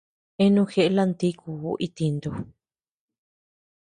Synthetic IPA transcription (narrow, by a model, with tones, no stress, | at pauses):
e˦nũ˦xe˦˧ʔla˦˧nt̪i˦ku˧o˧ʔi˧t̪i˧nd̪u˧